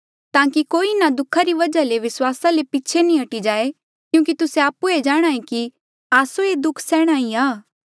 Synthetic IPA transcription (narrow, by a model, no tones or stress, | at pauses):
t̪ãːkikoːinad̪ʊkʰaɾiʋɐd͡ʒaleʋɪswaːsalepɪt͡ʃʰenĩɐʈid͡ʒaːe | kjũːk̬it̪ʊseaːpued͡ʒaːɽ̃aːĩki | aːsoed̪ʊkʰsɛːɽ̃aːiaː